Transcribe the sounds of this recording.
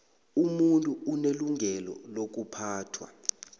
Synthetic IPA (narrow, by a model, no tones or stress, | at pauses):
umuntʼuuneluŋʱɛlɔ̰lok̬upʰaːtʰwa̰